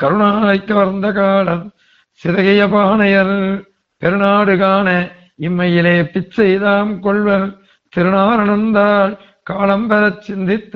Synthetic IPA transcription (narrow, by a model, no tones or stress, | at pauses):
kɐɾʊɳaːlɐɪkːɐʋɐɾnd̪ɐkaːlɐm | sɪðɐɣɐjɐpaːnɐjɐɾ | pɛɾɯnaːɽɯkaːnɐ | ɪmːɐjɪleːpɪt͡ʃːɐjðaːmkɔɭʋɐɾ | t̪ɪɾɯnaːɾɐɳɐnd̪aːl | kaːlɐmpɐɾɐt͡ʃːɪnd̪ɪt̪ː